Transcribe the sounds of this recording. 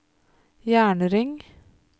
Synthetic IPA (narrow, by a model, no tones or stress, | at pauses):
jæːɳəɾɪŋ